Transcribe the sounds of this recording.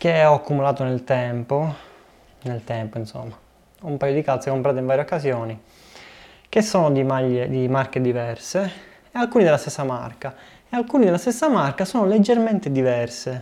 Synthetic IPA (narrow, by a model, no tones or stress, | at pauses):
k̟eɔakːumulaːt̪onelt̪ɛmpo | nelt̪ɛmpoinso̰mːa | umpaːjod̪ikat̪sekompɾaːt̪eiɱvaːɾjokːazjoːni | k̟esːoːnod̪imaʎːed̪imarked̪ivɛrseː | alkuːnid̪elːast̪esːama̰rka | ealkuːnid̪elːast̪esːamarkasɔːnoled͡ʒːerment̪ed̪ivɛrse